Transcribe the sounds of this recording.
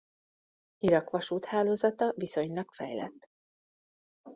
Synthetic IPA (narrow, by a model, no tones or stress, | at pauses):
iɾɒkʋɒʃuːt̪haːloːzɒt̪ɒviso̞ɲlɒkfɛ̰jlɛ̰t̪ː